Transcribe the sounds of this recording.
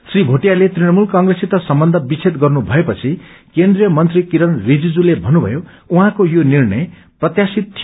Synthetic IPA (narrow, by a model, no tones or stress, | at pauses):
sribʱoʈijalet̪rinʌmulkʌŋɡresit̪ʌsʌmbʌnd̪ʱʌbit͡sʰet̪ɡʌrnubʱʌepʌt͡sʰikend̪rijʌmʌnt̪rikiɾʌnrid͡zid͡zulebʱʌnːubʱʌ̰jo | uɦãkojonirɳʌj | prʌt̪jasit̪ʰːij